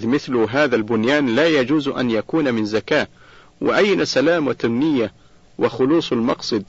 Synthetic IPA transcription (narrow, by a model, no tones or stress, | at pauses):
ðmɪθlʊɦaːðalbʊnjaːnlaːjad͡ʒuːzʔa̰njakuːnamɪnzakaː | wʔɪ̰ʔajːnasalaːmwɪt̪amːɪjːa | wɪxʊluːsˤalmɑqsˤɨd̪̚